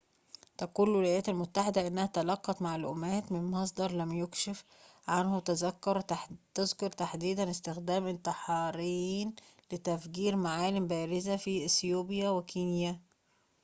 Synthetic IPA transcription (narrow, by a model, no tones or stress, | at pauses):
t̪æquːlːelʔæjæːt̪ælmʊt̪ːaħed̪æʔɪnːæhæt̪ælɑqːɑt̪maʕalʔṵuːmæːt̪mɪnmɑs̬ˤd̪ɑɾˤlæmjokʃef | ʕanhʊt̪æzækːɑɾt̪ezkoɾˤt̪aħd̪iːd̪ænɪst̪ɪxd̪æːmʔɪnt̪ɪħɑːɾijːiːnlɪt̪æfɡiːɾmaʕaːlɪmbæːɾɪzæfiʔɪsjuːbjæwekiːnjæ